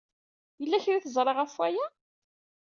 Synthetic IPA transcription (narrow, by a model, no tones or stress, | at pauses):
jəlːæçɾiθəzˤɾˤeʁæfwæjæ